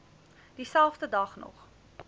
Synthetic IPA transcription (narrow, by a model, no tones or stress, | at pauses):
d̥isælˠfdədɐχnɔ̰χ